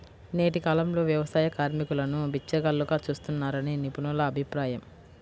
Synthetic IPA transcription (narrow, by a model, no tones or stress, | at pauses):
ne̞ːʈikaːlɐmlo̞ːʋjɐʋɐsaːjɐkaːɾmikulɐnubit͡ʃːɐɡɐlːuɡaːt͡ʃuːst̪unːaːɾɐneːnipunulɐːbʱipɾaːjɐm